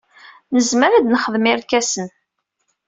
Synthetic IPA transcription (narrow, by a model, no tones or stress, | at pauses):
nəzməɾæd̪nəχəðmɪɾkæsən